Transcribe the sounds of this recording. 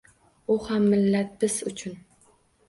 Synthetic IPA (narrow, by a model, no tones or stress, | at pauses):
ʊhamːɪlːat̪̚bɪz̥ʊt͡ʃʰʊn